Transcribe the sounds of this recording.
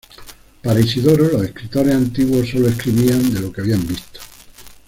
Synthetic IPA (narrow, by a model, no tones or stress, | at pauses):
paɾesiðo̞ɾelo̞se̞hkɾit̪o̞ɾesant̪iɣwo̞so̞loe̞hkɾiβiand̪e̞lo̞keaβiambist̪o̥